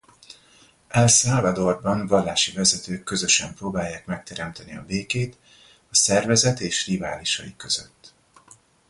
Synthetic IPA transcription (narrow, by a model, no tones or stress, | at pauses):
ʔɛlsaːvɒd̪o̞rbɒnvɒlːaːʃivɛzɛt̪øːkːø̞zø̞ʃɛmproːbaːjːaːkmɛk̚t̪ʰɛɾɛmt̪ɛniɒ̰beːkeːt̪ | ɒsɛrvɛzɛt̪eːʃrivaːliʃɒ̰ikːø̞z̥ø̰t̪ː